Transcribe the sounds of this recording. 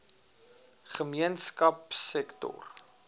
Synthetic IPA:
χəmiənskɐpsɛktɔ̰r

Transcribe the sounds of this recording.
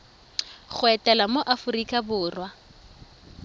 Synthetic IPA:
χʊɛtʼɛlamoʔafʊrikʼabʊːrwa

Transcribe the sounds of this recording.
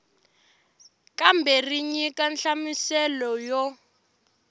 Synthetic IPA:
kʼambʱɛriɲikʼanɬamisɛlɔjɔ

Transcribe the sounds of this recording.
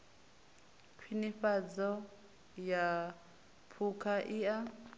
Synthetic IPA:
kʰwiniɸad͡zɔ | ja | pʰukʰaʔia

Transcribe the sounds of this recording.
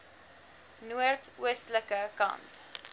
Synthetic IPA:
nuərtuəstləkəkɐ̰nt

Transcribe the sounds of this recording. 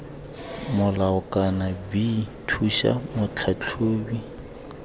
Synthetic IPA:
mʊlaʊkʼanabitʰuʃa̰mʊt͡ɬʰat͡ɬʰoːbi

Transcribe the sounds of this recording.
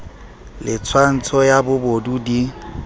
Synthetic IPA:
lɪt͡sʰwan̩t͡sʰɔjabʊbodudi

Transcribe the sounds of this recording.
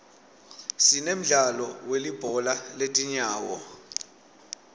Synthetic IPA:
sinem̩ɮalɔwelib̥ʱɔlaletʼiɲaːwɔ̰

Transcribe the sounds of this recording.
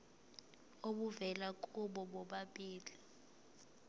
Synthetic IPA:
oɓuvɛlakʼuɓɔɓɔɓaɓiːli

